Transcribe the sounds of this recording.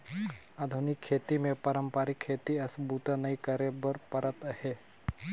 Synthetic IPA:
ad̪ʱunikʰːeːt̪imẽpɐɾəmpaɾikʰːeːt̪iɐsbut̪ənɐikəɾebəɾpəɾət̪əhe

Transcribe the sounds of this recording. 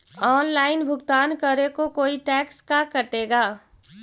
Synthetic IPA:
ɔːnlaːɪnbʱʊɡt̪aːnkəɾekokoːiʈɛːkskakəʈeːɡaː

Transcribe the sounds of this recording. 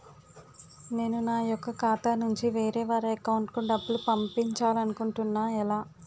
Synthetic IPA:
ne̞ːnunaːjɔkːɐkaːt̪aːnuɲt͡ʃiʋeːɾɛːʋaːɾɐkɐwuɳʈkuɳɖɐbːulupɐmpiɲt͡ʃaːlɐnukuɳʈunːaːɛlaː

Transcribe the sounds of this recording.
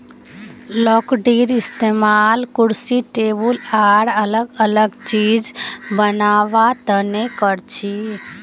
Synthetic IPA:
lɔkɖiɾɪst̪emalkuɽsiʈebulaɾələɡələɡt͡ʃid͡ʒbənaːʋat̪ənekəɾt͡ʃʰi

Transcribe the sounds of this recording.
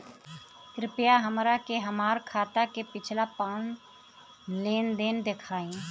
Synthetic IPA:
kɾɪpjaɦəmɾakeɦəmaːɾkʰaːt̪akepɪt͡ʃʰlapaːn | leːnd̪eːnd̪ekʰaːĩ

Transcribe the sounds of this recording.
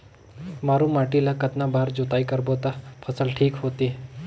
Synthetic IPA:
maɾumaʈilakət̪nabʱaɾd͡ʑut̪aikəɾbot̪apʰəsəlʈʰiːkɦot̪i

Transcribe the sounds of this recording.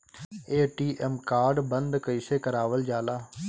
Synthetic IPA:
eːʈiːʔɛmkaːɾɖbənd̪kəiseːkəɾaːʋəld͡ʒaːlaː

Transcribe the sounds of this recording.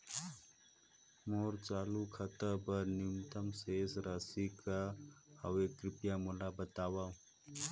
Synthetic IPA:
moːɾt͡ʃaːlukʰət̪əbəɾnimt̪əmseːsɾasikahəwekɾɪpjamulabət̪aːwa

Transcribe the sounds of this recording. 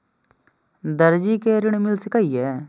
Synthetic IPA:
d̪əɾd͡ʒikeɾɪɽ̃mɪlskaiɛː

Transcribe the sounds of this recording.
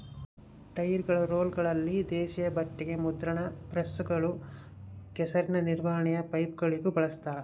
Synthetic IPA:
ʈɐjiɾɡɐɭɐɾoːlɡɐɭɐlːid̪eːʃijɐbɐʈːiɡe̞mud̪ɾɐɳɐpɾɐsuɡɐɭu | ɡɛsɐɾinɐniɾʋɐːɐɳɛjɐpɐjpɡɐɭiɡubɐɭɐst̪aːɾe

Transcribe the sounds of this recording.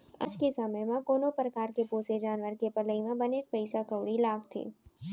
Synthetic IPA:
ɐ̰d͡ʒkesəməjmãkoːnopɾəkaːɾkepoːsed͡ʒaːnʋəɾkepɐləimãbənet̪pəɪsakəʋɽilaːɡt̪ʰḛː

